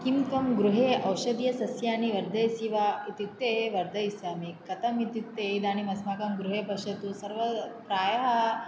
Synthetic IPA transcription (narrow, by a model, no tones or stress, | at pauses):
kimkɐmɡɾuɦeːʔɐwʃɐd̪jɐsɐsjaːniʋɐɾd̪ʱɐjsiʋaːit̪it̪ːeːeʋɐɾd̪ʱɐjisjaːmikɐt̪ɐmit̪it̪ːeːid̪aːnimɐsmaːkɐmɡɾuɦeːpɐʂɐt̪usɐɾʋɐpɾaːjɐɦɐ